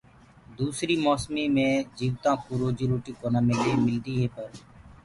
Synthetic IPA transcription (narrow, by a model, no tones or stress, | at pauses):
d̪uːsɾiːmoːsmiːmẽːd͡ʒiːʋt̪ãːkuːɾoːd͡ʒiːɾuːʈiːkoːnaːmeld̪eːmɪld̪iːɦeːpəɾ